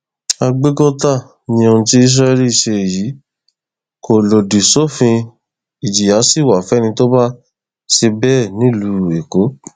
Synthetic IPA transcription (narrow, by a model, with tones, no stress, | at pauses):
a˧ɡ͡be˦kɔ˦ta˦˨ | nĩ˧o˧ũ˧ti˦i˦s̬ɾa˦ɛ˧˦li˦i˦˨ʃe˧˨jiː˨˦ | ko˨lo˨di˨sɔ˦˨fĩ˧ | i˨d͡ʒi˨ja˨˦si˦˨wa˨fɛ˨˦˨nĩ˧to˦ba˦ | ʃe˧bɛ˦˨nĩ˦lu˦e˨ko˨˦